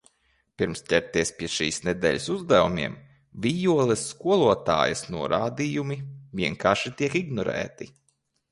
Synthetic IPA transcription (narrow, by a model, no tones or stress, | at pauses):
piɾmst̪ʲɛɾt̪iɛspʲiɛʃḭːsnɛd̪ɛ̰ːʎʲsuzd̪ævumʲiɛm | vʲijuɔlˠɛsːkuɔlˠuɔt̪a̰ːjɐsnuɔɾʔa̰ːd̪ijumivʲiɛŋkaːɾʃit̪iɛkiɡnɔɾæ̰ːt̪i